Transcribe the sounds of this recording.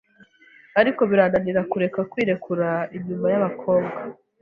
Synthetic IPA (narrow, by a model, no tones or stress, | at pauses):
aɾiko̞βiɾaːndaniɾakuɾe̞kakwiːɾe̞kʰuɾaiɲɲuːmbajaβakʰo̞ːβɡa